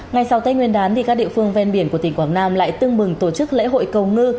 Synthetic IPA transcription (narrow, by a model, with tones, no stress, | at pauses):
ŋa˨˩jsa˨˦wt̪ə˧jŋwi˧ənɗaː˨˦nt̪i˨˩kaː˦˥k̚ɗḭ˧˨əfɨ˧əŋve˧nɓi˧˩ənku˧˩ət̪i˧˩ŋkwaː˨˦ŋnaː˧mla̰ː˧˨jt̪ɨ˧əŋɓɨ˨˩ŋt̪o˧˩t͡ɕɨ˦˥k̚lḛ˧˥ɦo̰˧˨jkə˨˩wŋɨ˧